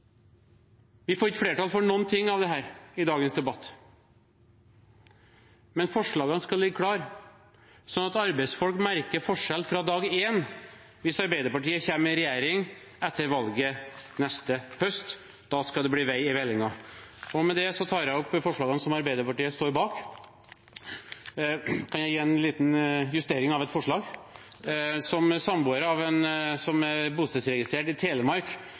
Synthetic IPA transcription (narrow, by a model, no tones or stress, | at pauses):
ʋɪfoːɾɪkːəfɽeːʈɑlfɔɳɔnːt̪ʰɪŋːɑʋd̪ɛɦæːɾɪd̪ɑːɡənsd̪ɛbɑt̪ː | mɛnfɔʂɭɑːɡɑnskɑlɪɡːəkʰɽɑːɾ | sɔnɑt̪ɑɾbɛɪsfɔlkmæɾkəɾfɔʂɛlfɾɑd̪ɑːɡeːn | ʋɪsɑɾbæɪd̪əɾpɑʈiːəçæːmɪɾɛjæːɾɪŋɛt̪ːəɾʋɑlɡənɛst̪əhœst̪ | d̪ɑskɑld̪ɛbliːʋæɪɪʋɛlːɪŋɑɔmɛd̪ɛsɔt̪ʰɑːɾjæɪɔpːfɔʂɭɑːɡənəsɔmɑɾbæɪd̪əɾpɑʈiːəst̪oːɾbɑːk | kʰɑnjæɪjiːɛnliːt̪njʉst̪eːɾɪŋɑʋɛt̪fɔʂɭɑːɡ | sɔmsɑmbuːəɾəɑʋɛnsɔmæɾbuːst̪ɛt̪sɾɛɡɪst̪ɾeːʈɪt̪ʰeːləmɑɾk